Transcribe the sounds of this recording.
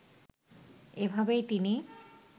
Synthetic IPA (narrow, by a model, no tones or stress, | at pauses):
ebʱabejt̪ini